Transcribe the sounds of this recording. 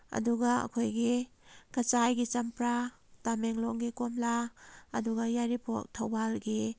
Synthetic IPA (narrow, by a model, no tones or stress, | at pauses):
ɐ̰duɡaɐ̰kʰojɡikɐt͡ʃajɡit͡ʃɐmpɾa | tameŋlɔŋɡikomlaːduɡajaɾipʰo̰k̚tʰɐwbalɡi